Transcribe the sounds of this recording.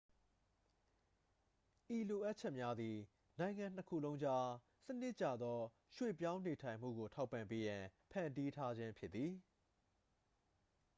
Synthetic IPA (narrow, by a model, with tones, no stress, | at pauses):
ʔi˨lo˨ʔa˦t̚t͡ɕʰɛ˦ʔmja˦d̪ði˨ | nã˨ɪ̃ŋã˨n̥əkʰṵ˦˨lõ˦ʊ̃ɲd͡ʑa˦ | sənɪ˦ʔt͡ɕa̰˨d̪ðɔ˦ | ʃwḛ˦˨pjã˦ʊ̃ne˨tʰã˨ɪ̃m̥ṵ˦˨ɡo˨tʰa˦ʊpːã˨mpe˦jã˨pʰã̰˨nti˦tʰa˦d͡ʑɪ̃˦mpʰjɪ˦t̪t̪ːi˨